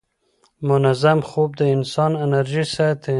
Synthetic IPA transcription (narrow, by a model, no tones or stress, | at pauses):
mʊnazamxob̚d̪əɪnsɑnɪnaɾʒisat̪